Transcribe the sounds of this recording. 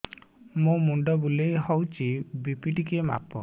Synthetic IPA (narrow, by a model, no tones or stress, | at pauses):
mumuɳɖɔbulejɦɔwt͡ʃibipiʈikema̰pɔ